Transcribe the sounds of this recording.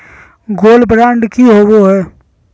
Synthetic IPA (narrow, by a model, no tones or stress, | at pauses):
ɡoːlbɾãːɳɖkiɦowoɦɛː